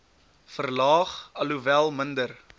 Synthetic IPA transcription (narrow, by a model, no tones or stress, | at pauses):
fərlɑːχɐluvælˠməndər